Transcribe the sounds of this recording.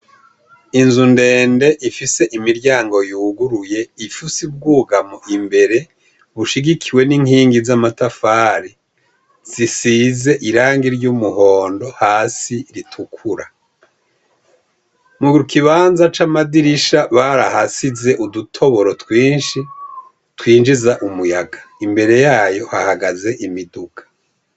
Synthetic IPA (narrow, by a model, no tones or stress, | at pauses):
inzunde̞ːnde̞ʔifise̞ʔimiɾɟaːŋɡo̞juːɡuɾuje̞ifusib̚ɡuːɡamoʔimbe̞ɾe̞ | βuʃiɡikʰiwe̞niŋhiːŋɡizamatafaːɾi | z̥isiːze̞ʔiɾaːŋɡiɾɟumuho̞ːndo̞haːsiɾitʰukʰuɾa | muɡiɾukiβaːnzat͡ʃamadiɾiʃaβaɾahasize̞ʔudutʰo̞βo̞ɾo̞twiːnʃi | twiːnd͡ʒizaʔumujaɡaimbe̞ɾe̞jaːjo̞hahaɡaze̞ʔimiduɡ̥ḁ